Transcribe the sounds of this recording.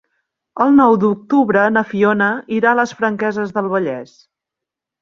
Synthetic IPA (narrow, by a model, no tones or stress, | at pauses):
əlˠnɔwd̪uk̚t̪uβɾənəfionəiɾaləsfɾəŋkɛzəzðəlˠβəʎɛs